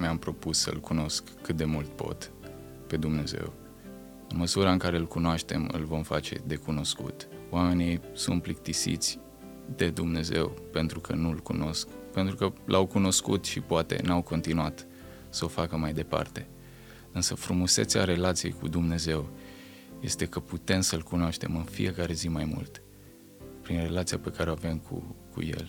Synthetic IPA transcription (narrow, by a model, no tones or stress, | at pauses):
meampɾo̞pusːə̰ɨlkuno̞skʰːɨt̪̚d̪e̞mult̪po̞̰t̪ | pe̞d̪umne̞ze̞̰w | ɨnməsuɾaɨŋkaɾe̞ɨlkunoaʃt̪e̞̰mɨ̰lvo̞mfa̰t͡ʃe̞̰d̪e̞kuno̞skṵt̪oame̞nisṵnt̪plik̚t̪isḭt̪sʲ | d̪e̞d̪umne̞ze̞̰wpe̞nt̪ɾukʰənulkuno̞skpe̞nt̪ɾukəlʔawkuno̞skṵt̪ʃipoat̪e̞̰nawko̞nt̪inuat̪ | səofakəmajd̪e̞pa̰rt̪e̞ | ɨnsəfɾumuse̞t̪sa̰ɾe̞lat̪sijḛjkud̪umne̞ze̞w | je̞st̪e̞kəput̪e̞msəlkunoaʃt̪e̞̰mɨnfḭje̞kaɾe̞zimajmṵlt̪ | pɾinre̞lat̪siape̞kaɾeoavemkʰṵkṵjḛl